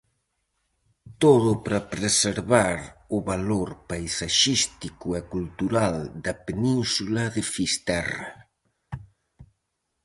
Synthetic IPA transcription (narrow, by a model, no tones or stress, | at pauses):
t̪oðʊpɾɐpɾeseɾβaɾʊβaloɾpajsaʃist̪ikʊɛkult̪uɾald̪ɐpenĩnsulɐðɪfist̪ɛra